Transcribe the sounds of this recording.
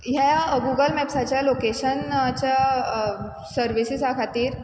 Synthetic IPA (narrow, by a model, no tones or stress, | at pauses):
ɦjajaɡuɡəlmɛpsat͡ɕjalokeɕənt͡ɕja | səɾʋisisakʰat̪iːɾ